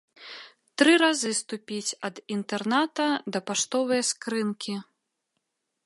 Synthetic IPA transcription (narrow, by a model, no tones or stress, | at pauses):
t̪ɾɨɾazɨst̪upʲit͡sʲɐd̪int̪ɛrnat̪ɐd̪ɐpaʂt̪ɔvɨjɐskɾɨnkʲi